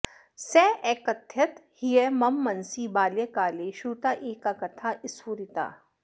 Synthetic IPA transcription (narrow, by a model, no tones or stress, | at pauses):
sɛːɛːkɐt̪ʰjɐt̪hijemɐmːɐnsibaːljekaːleːʃuːt̪aːʔeːkakɐt̪ʰaʔɪsuːɾit̪a̰ː